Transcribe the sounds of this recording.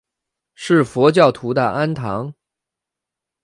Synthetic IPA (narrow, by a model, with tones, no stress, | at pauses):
ʂɻ̩˥˩fwɔ˧˥t͡ɕjɑ˥˩ʊt̪ʰu˧˥d̪ə̰˧ʔa˥nt̪ʰɑ˧˥ŋ